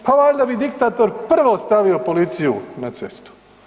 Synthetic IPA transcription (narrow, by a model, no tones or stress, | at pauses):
pʰaʋajd̪abid̪ikt̪aːt̪o̞ɾpr̩ʋoːst̪aʋio̞po̞lit̪sijunat̪se̞̰st̪u̥